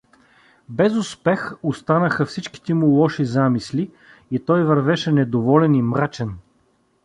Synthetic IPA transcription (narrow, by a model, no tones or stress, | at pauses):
bɛzʊspɛxʊst̪anəxəfsit͡ʃki̥t̪ɛmulˠɔʃizamisli | it̪ɔjvɐɾvɛʃɛnɛd̪ovɔlɛnimɾat͡ʃɛn